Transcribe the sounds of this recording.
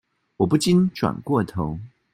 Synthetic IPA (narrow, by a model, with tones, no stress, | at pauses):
wɔ˨˩p̬u˥˩t͡ɕi˥˦nʈ͡ʂwa̰˨˩nkwɔ˥˩t̪ʰo˧˦ʊ